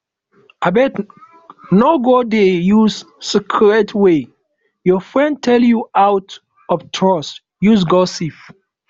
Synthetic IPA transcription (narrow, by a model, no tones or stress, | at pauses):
abɛt | nɔɡodejuz | sikʰɹɛtʰwe | jɔfɹɛ̃ndtʰɛljuawt | ɔftʰɹɔs | juzɡɔsif